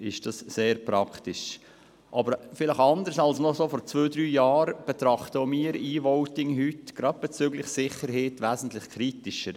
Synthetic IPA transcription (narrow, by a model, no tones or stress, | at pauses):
ɪʃd̥ɑsseːɾpɾɑkt̪ɪʃ | ʔɑbəɾfɪləχɑnd̪əɾsɑlsnɔsoːfɔɾt͡sʋøːd̪ɾyːjɑːɾb̥ɛt̪ɾɑχt̪əomiːɾiːvɔwtɪŋɦytɡ̥ɾɑd̥̪̚b̥ɛt͡syɡlɪχsɪχəɾɦeːtʋæːzn̩t̪lɪχkʰɾitɪʃəɾ